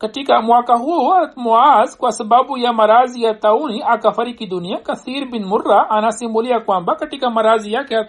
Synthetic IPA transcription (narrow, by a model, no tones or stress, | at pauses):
kɐʈikamuakɐɦuɐt̪muaːzkuɐsbabujamɐɾaːzijat̪ɐuniʔakɐfɐɾikid̪unijakɐθiːɾbinmʊrːaʔɐnasimulijakuambakɐʈikamɐɾaːzijaka